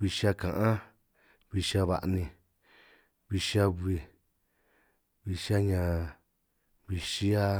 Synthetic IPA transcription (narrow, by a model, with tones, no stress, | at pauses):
βi˧ʃi˧˦a˧kã˨ʔã˦ | βi˧ʃi˦a˧βa̰˨˧ʔnĩ˧ | βi˧ʃi˦a˧βi˧ | βi˧ʃa˦ɲã˨ | βi˧ʃi˦a˧